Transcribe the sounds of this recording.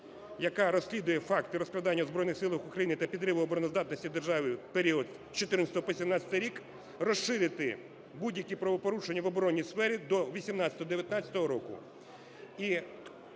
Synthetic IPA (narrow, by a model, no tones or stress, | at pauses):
jɐkɑɾɔsʲlʲid̪ʊjɛfɑkt̪ɪɾɔsklˠɐd̪ɑnʲːɐuzbɾɔjnɪxsɪlˠɐxukɾɐjinɪt̪ɐpʲid̪ɾɪʋʊɔbɔɾɔnɔzd̪ɑt̪nɔsʲtʲid̪erʒɑʋɪpeɾʲiɔd̪ | t͡ʃɔt̪ɪrnɐsʲt̪ɔɔpɔsʲimnɑsʲɐ̥t̪ɪjɾʲik | rɔʃʃɪɾʲɪt̪ɪ | budʲjɐkʲipɾɐʋɔpɔɾut͡ʃenʲːɐʋɔbɔɾɔnʲːisfɛɾʲid̪ɔʋʲisʲimnɑsʲɐt̪ɔɦɔd̪eʋʲjɐt̪nɑt͡sʲɐ̥t̪ɔɦɔɾɔkʊ̰ | i